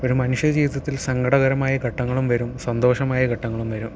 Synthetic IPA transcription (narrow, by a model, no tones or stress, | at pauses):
o̞ɾumɐnuʂjɐd͡ʑiːʋiðɐt̪ːilsɐŋɡʱɐɽɐɣɐɾɐmaːjɐkɐʈːɐŋːɐɭumʋɐɾumsɐnd̪o̞ːʂɐmaːjɐɡʱɐʈːɐŋːɐɭumʋɐɾum